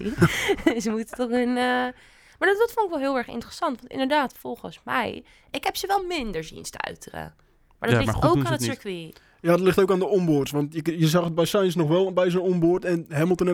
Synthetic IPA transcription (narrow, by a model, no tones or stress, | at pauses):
zəmutətɔxənə | maɹdɔtdɔtfʊnɪkʋɛlˠɦɪːlˠɛɹxɪ̰ntərəsɑntʋɑntɪ̰ndəɹdaːtfɔrˠχənsmɛ̰j | ʔɪkɦɛpsəʋɛlˠmɪndəɹsḭnstəœ̰ɥtʰərə̰ | ma̰ɹdɔtlɪtowkaːnətsəkʋi | jaːdɔtlɪχtowkaːndəɔmbʊrtsʋɑntjəjəzɑχəd̚bɛjsajnsnɔχʋɛlˠbɛjzənɔmboɹtɛnɦɛməlˠtən